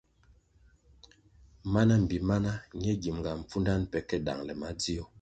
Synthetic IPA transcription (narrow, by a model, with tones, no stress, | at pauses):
ma˦na˦m̩˨bi˨ma˦na˦ɲ˦ɛ˦ɡi˨m˨ɡa˨m̩˨p͡fu˦nda˦npɛ˨˦kɛ˦da̰˨ŋlɛ˨ma˨˦di˦ɔ˦